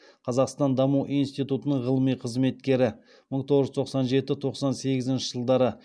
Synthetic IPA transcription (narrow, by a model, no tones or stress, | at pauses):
qʰɑzɑqst̪ɑnd̪ɑmuwʔijnst̪ijt̪ut̪ənəɴʁəlˠəmijqʰəzme̞t̪kʲe̞ɾɪ | məɴt̪ʰo̞ʁəʒʏt̪ʰo̞qsɑnʒe̞t̪ɪt̪ʰo̞qsɑnse̞ɡʲɪzɪnʃɪʒ̥əlˠd̪ɑɾə